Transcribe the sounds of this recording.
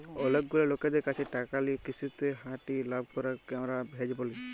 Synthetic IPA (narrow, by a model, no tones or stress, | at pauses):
ɔlek̚ɡulaloked̪ɛkat͡ʃʰiʈakalikisʰut̪eɦaʈilab̚ʱkɔɾakɛmɾabʱɛd͡ʒibɔli